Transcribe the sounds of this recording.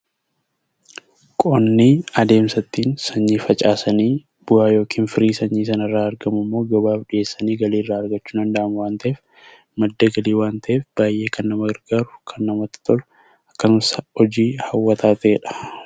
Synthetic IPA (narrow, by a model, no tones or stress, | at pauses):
kʼɔnːiɐd̪e̞ːmsɐt̪ːiːnsɐɲːiːfɐt͡ʃʼaːsɐniː | b̥ʊhaːjo̞ːkʰiːnfɪɾiːsɐɲːiːsɐnɐrːaːɐɾɡɐmʊmːo̞ːɡɐbaːfᶑɪʔe̞ːsːɐniːɡɐliːrːaːɐɾɡɐt͡ʃːuːd̪ɐnd̪ɐʔɐmʊwaːnt̪ɐʔeːf | mɐd̪ːɐɡɐliːwaːnt̪ʰɐʔeːfb̥aːjʔe̞ːkʰɐnːɐmɐɡɐɾɡaːɾʊkʰɐnːɐmɐt̪ːɪ̥t̪ɔl | ɐkːɐnʊsɐɔd͡ʒiːhɐwːɐt̪ʰaːt̪ɐʔeːᶑɐ̥